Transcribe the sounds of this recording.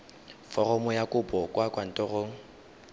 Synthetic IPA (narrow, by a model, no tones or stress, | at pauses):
fɔrɔmʊjakʼʊbɔkʼwakwan̩tʼɔroːŋ̩